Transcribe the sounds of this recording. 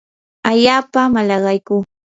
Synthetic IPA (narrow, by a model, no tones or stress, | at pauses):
aʎaːpamalɑɢɑjkuː